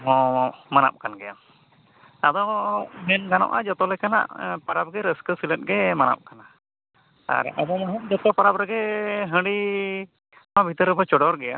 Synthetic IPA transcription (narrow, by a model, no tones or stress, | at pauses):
ɦɔ̃mana̰p̚kanɡɛja | ad̪ɔmɛnɡanɔ̰ʔa̰d͡ʒɔt̪ɔlɛkana̰ʔpaɾab̚ɡɛɾəskəsilət̚ɡɛmana̰p̚kana | a̰ɾa̰d̪ɔmaɦɔʔd͡ʒɔt̪ɔpaɾapɾɛɡɛɦə̃ɖi | amabʱit̪əɾəbat͡ʃɔɽɔɾɡɛja